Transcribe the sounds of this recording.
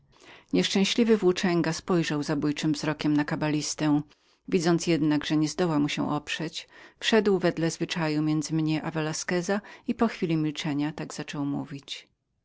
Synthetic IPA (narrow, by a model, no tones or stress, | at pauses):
ɲɛʂt͡ʂɛ̃w̃ɕlʲivɘvwut͡ʂɛŋɡaspɔjʐawzabujt͡ʂɘmvzɾɔkʲɛmnakabalʲist̪ɛ | vʲid̪zɔnt̪sjɛd̪naɡʐɛɲɛzd̪ɔwamuɕɛ̰̃ʔɔpʂɛt͡ɕfʂɛd̪wvɛd̪lɛzvɘt͡ʂajumʲjɛnd̪zɘmɲɛʔavɛlaskɛzaipɔxfʲilʲimʲilt͡ʂɛɲat̪aɡz̥at͡ʂɔwmṵvʲit͡ɕ